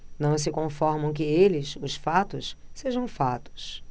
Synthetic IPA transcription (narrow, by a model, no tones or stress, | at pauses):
nɐ̃w̃s̬ɪkõfɔɾmɐ̃w̃k̬ɪelɪsʊsfat̪ʊsseʒɐ̃w̃fat̪ʊ̥s